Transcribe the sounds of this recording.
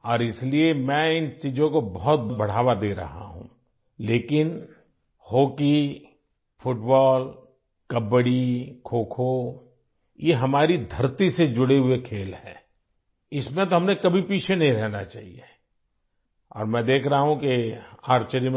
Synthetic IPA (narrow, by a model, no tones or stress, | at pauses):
ɔːɾɪsliemɛ̃ɪnt͡ʃiːd͡ʒõkobɔɦɔt̪̚bɐɽ̤aːʋad̪eːɾɐ̰ɦa̰ɦṵ̃ | leːkɪn | hoːki | fʰʊʈbɔːl | kɐbəɽikʰoːkʰo | jeɦɐmaːɾid̪ʱɐɾt̪ised͡ʒʊɽeɦʊekʰeːlɦɛ̰̃ː | ɪsmẽt̪oɦɐmnekɐbʱipiːt͡ʃʰenɐɦĩɾɛɦnat͡ʃa̰ːɦḭe | ɔ̰ːɾmɛ̃ːd̪eːkʰɾɐɦaɦũkeaːɾt͡ʃeɾim